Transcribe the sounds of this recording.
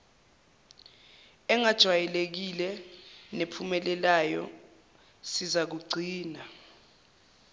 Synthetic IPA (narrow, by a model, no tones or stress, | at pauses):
ɛŋad̥ʒ̥ʱwajɛlek̬ilɛnepʰumɛlɛlajɔ̰ | sizak̬uɡ͡ǀʱiːna